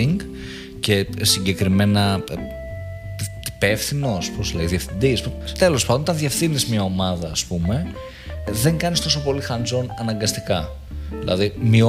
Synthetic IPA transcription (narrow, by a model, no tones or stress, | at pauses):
iŋɡ | ce̞siɲɟe̞kɾime̞nɐ | t̪i̥pe̞fθino̞sposlɐiðiefθind̪isput̪elo̞spɐnd̪onot̪ɐðie̞fθinizmɲɐo̞mɐðɐːspume̞ | ðe̞ŋɡɐnist̪o̞so̞po̞lixɐnzo̞nɐnɐŋɡɐst̪ikɐ | ðilʔɐ̰ðimio